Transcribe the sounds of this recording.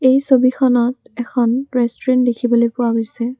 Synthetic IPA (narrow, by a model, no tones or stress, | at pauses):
ejsobikʰɔnɔtɛkʰɔnɹɛstɔɹɛntdekʰibolojpʊwaɡojsɛ